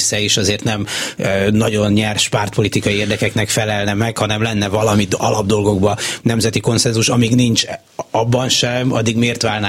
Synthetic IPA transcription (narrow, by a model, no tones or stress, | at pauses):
sɛeːʃɒzeːrt̪nɛm | nɒɟo̞nɲɛrʃpart̪̚po̞lit̪ikɒjieːrd̪ɛkɛknɛkfɛlɛlnɛmɛkhɒnɛmlɛnːɛvɒlɒmit̪ɒlɒb̚d̪o̞lɡo̞ɡbɒnɛmzɛt̪iko̞nsɛnzuʃɒmiːɡnint͡ʃ | ɒbːɒnʃɛmɒ̰d̪ːiɡmeːrt̪ʋaːlna